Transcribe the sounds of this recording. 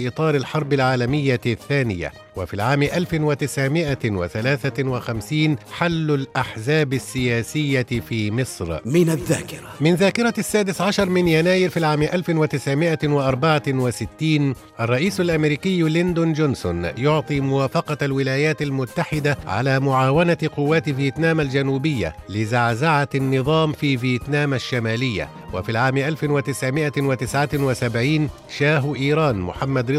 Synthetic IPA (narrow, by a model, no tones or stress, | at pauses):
ʔɨt̪ˤɑːɾalħɑɾˤbɪlʕaːlamɪjːaθːaːnɪja̰ | wafiːʕaːmɪʔalfɪnwat̪ɪsʕɪmɪʔawaθalaːθawɪxamsiːnħalːalʔaħzaːbasːɪjaːsɪjːafiːmɪsˤɾmɪnaðːaːkɪɾamɪnðaːkɪɾˤɑasːaːd̪ɪsʕaʃɑɾˤmɪnjanaːjɪɾfiːʕaːmɪʔalfɪnwat̪ɪsʕmɪʔawɪʔɑɾˤbaʕawasɪt̪ːiːn | ʔarˤːɑʔiːsalʔamɾiːkɪjːlɪnd̪ʊnd͡ʒʊnsʊ̰njʊʕt̪ˤiːmʊwaːfɑqɑalwɪlaːjaːt̪almʊt̪ːaħɪd̪aʕa̰laːmʊʕaːwanaqʊwːaːt̪vjiːt̪naːmald͡ʒanuːbɪjːa̰lɪzaʕzaʕanːɨðˤɑːmfiːvjeːt̪naːmaʃːamaːlɪjːa̰ | wa̰fiːlʕaːmɪʔalfɪnwat̪ɪsʕɪmɪʔawɪt̪ɪsʕawɪsabʕiːn | ʃaːɦʔiːɾˤɑːnmʊ̰ħamːad̪ɾɪ